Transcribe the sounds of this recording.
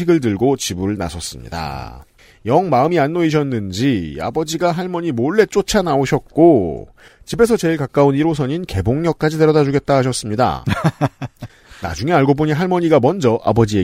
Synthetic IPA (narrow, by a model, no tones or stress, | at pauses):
iɡɯɭt̬ɯɭɡot͡ɕibuɭna̰sʰʌs͈ɯmɲḭda̰ | jʌŋmaɯmianːoiɕ̬ʰʌnːɯnd͡ʑia̰bʌd͡ʑiɡaɦaɭmʌɲimoɭːe̞t͡ɕ͈ot͡ɕʰanaoɕʰʌt̚k͈o | t͡ɕibe̞sʰʌt͡ɕe̞iɭkak͈auniɾosʰʌɲinke̞boŋɲʌk̚k͈ad͡ʑite̞ɾʌdad͡ʑuɡe̞t̚t͈aɦaɕʰʌs͈ɯmɲida̰ | na̰d͡ʑuŋe̞aɭɡoboɲiɦaɭmʌɲiɡamʌnd͡ʑʌʔa̰bʌd͡ʑie